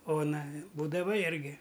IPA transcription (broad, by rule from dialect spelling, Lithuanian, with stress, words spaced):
ˈoːnɐ ˈbuːdɐʋɐ ˈɪrʲɡʲɪ